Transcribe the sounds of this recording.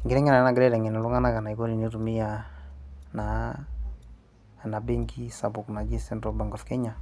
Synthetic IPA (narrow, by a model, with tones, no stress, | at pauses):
ŋɡɪɾɛ˦ŋɛ˦na˨na˦ɡɪɾɛ˦dɛ˨ŋɛ˨n˨lu˦ŋa˦na˦ka˨na˨i˨kɔ˦ni˨ni˦ɾu˨mi˦ja˨ | na˨ | na˨be˦ŋɡi˦sa˨bʊ˨kna˨d͡ʒi˦sɛ˦ndɾɔ˨ba˨ŋɡɔ˨fkɛ˦ɲa˨